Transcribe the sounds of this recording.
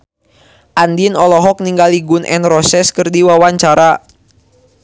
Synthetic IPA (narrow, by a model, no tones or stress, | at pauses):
ʔandinɔlɔɦɔk̚niŋɡaliɡʊnʔɛ̰nrɔsɛskɨrdiwawaɲt͡ʃaɾa